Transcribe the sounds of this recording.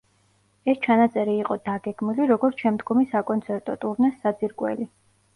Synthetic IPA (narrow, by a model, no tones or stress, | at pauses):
ɛst͡ʃʰanat̪sʼɛɾiːqʼɔd̪aɡɛɡmiliɾɔɡɔɾt̪ʰʃɛmd̪ɡɔmisakʼɔnsʰɛɾt̪ʼɔt̪ʼuɾnɛsːad̪ziɾkʼwɛ̰li